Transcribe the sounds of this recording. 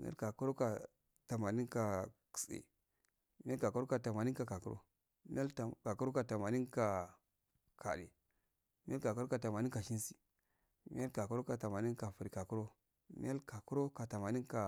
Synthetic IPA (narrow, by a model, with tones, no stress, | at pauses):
mḭ˦a̰˦lka˨ku˦ɾo˦ka˨ | ta˨ma˨ni˦nka˨ki̥˨sḛ˨ | mi˦a˦lka˨ku˦ɾo˦ka˨ta˨ma˨ni˦ka˨ka˨ku˦ɾo̰˦ | mḭ˦ja˦˨ka˨ku˦o˦ka˨ta˨ma˨ni˦nka˨ | kʰa̰˨ɗḛ˨ | mi˦a˦lka˨ku˦ɾo˦ka˨ta˨ma˨ni˦nka˨ʃi˦n˦si˨ | mi˦a˦lka˨ku˦ɾo˦ka˨ta˨ma˨ni˦nka˨fu˨ɾi˨ka˨ku˦ɾo˦ | mḭ˦a˦lka˨ku˦ɾo˦ka˨ta˨ma˨ni˦nka˨